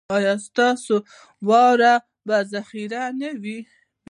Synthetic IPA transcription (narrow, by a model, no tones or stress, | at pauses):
ɑjɑst̪ɑso | wɑwɾa | bazaxiɾanawi